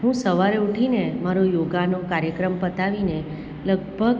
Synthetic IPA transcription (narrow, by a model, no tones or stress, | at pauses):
ɦũsəʋaɾeuʈʰinemaɾojoɡanokaɾjəkɾəmpət̪aʋine | ləɡ̚bʱəɡ